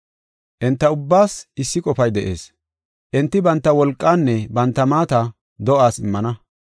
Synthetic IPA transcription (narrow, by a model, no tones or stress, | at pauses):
ʔɛnt̪ːɐʊbːaːsɪsːɪkʼɔfɐjd̪ɛʔe̞̰ːs | ʔɛnt̪ːɪbɐnt̪ːɐwɔlkʼːaːnːɛbɐnt̪ːɐmaːt̪ɐ | d̪ɔʔaːsɪmːɐnɐ